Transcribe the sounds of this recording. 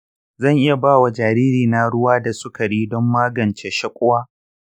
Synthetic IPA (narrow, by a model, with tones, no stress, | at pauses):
zɐ˦˨ŋʔɪ˦ja˨baː˦˨wa˨d͡ʒaː˨ɾiː˦ɾiː˨na˦ɽʊ˦waː˦da˨sʊ˦ka˨ɽiː˦dɔ˦mːaː˦ɡɐ˨nt͡ʃe˦ʃɐ˦kʷʼʊ˦waː˦